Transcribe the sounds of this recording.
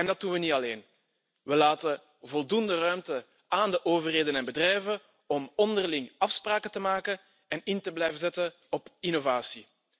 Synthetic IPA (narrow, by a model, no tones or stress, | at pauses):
ɛndɑt̚dunʋənitɑleːn | ʋəlaːtə | vɔlˠdundərœɥmtə | aːndəʔoːvərɦeːdənɛnbədrɛjvə | ɔmɔndərlɪŋɑfspraːkətəmaːkə | ɛnɪntəblɛjvənzɛtə | ɔpinovaːsi